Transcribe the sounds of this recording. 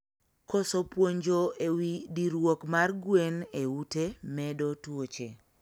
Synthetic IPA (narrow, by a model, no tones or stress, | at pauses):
kosopwoɲd͡ʒoewidiɾwokmarɡweneutemɛdotwot͡ʃe